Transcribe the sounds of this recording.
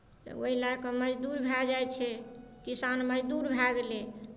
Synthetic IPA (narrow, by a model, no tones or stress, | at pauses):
t̪ɔ̰oɦilakeməd͡ʒd̪uɾbʱad͡ʒajt͡ʃʰɛ | kisanməd͡ʒd̪uɾbʱaɡele